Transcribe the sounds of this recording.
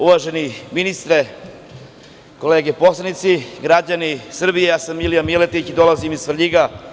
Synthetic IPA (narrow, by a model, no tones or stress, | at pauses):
uʋaʒeniminist̪ɾe | ko̞leːɡeposlˠenit̪siɡɾad͡ʑanisr̩bijejaːsamːilijamilet̪it͡ɕid̪o̞lazimizfɾʎiɡa